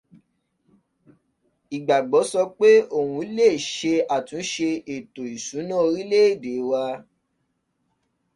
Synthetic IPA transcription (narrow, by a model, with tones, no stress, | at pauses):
i˨ɡ͡ba˨ɡ͡bɔ˨˦sɔ˧k͡pe˦o˦˨wũ˨˧i˦le˦˨ʃe˧a˨tũ˨˦ʃe˧e˨to˨i˨sũ˨˦nã˦o˧ɾi˦le˦e˦˨de˨˦wa˧